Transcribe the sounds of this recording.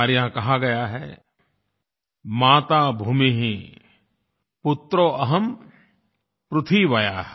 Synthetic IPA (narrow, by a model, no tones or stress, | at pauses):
ɾjãkɐɦaɡɐjaɦɛː | maːt̪aːbʱuːmiɦĩ | pʊt̪ɾoʔɐɦəm | pɾʊt̪ʰwiʋɐjaːɦ